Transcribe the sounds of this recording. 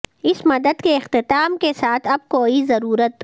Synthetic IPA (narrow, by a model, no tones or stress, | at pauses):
ɪsmɐd̪əd̪keɪxt̪ɪt̪aːmkesaːt̪ʰɐb̚koːizɐɾuːɾət̪